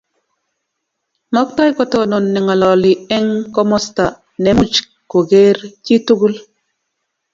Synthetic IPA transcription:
mɔ˦kta˦jkɔ˨to˨no˨nːɛ˨ŋa˨lɔ˨li˨ɛ˦ŋkɔ˦mɔ˦sta˨ | ne˨mu˦t͡ʃ | ko˨ɡe˦ɾt͡ʃi˦tu˦ɡu˦l

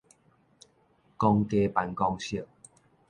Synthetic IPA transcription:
kɔ˧ŋke˧pa˨˧nkɔ˧ŋɕi˥˨

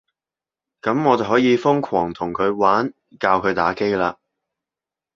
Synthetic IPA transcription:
kɐ˨˧˥mŋɔː˨˧t͡sɐ˨ɦɔː˨˥jiː˨˧fʊ˥ŋkʰɔː˨˩ŋt̪ʰʊ˨˩ŋkʰɵ˨˧ɥwaː˨˥n | kaː˧wkʰɵ˨˧ɥt̪a̰ː˨˥ke˥jlaː˧

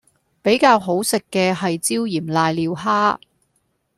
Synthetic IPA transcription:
pe˨˥jkaː˧wɦo˨˥wsɪ˨kːɛː˧ɦɐ˨jt͡siː˥wjiː˨˩mlaː˧jliː˨˧wɦaː˥

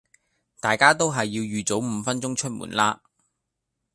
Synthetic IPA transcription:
t̪aː˨jkaː˥t̪o˥wɦɐ˨jːiː˧wjyː˨t͡so˨˥wm̩ː˨˧fɐ˥nt͡sʊ˥ŋt͡ʃʰɵ˥t̚mṵː˨˩nlaː˥

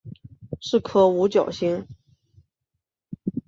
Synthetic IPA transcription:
ʂɻ̩˥˩kʰɤ˥˩u˧˥t͡ɕjɑ̰˨˩ʊɕi˧˥ŋ

